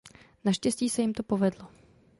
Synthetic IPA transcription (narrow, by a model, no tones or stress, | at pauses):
naʃcɛsciːsɛjɪmt̪o̞po̞vɛdlo